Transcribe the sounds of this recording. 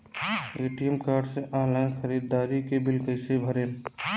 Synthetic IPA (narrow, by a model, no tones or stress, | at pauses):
eːʈijəmkaːɾɖseʔalaɪnkʰəɾid̪ːaːɾikebilkəɪsebʱəɾeːm